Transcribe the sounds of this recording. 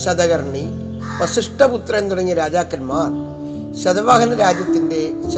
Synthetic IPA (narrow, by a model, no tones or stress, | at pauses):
ɕɐd̪ɐɣɐɾɳi | ʋɐsiʂʈɐput̪ɾɐent̪uɽɐŋːiɾaːd͡ʑaːkːɐnmaːr | ɕɐd̪ɐʋaːɣɐnɐɾaːd͡ʑjɐt̪ːinde̞ɕ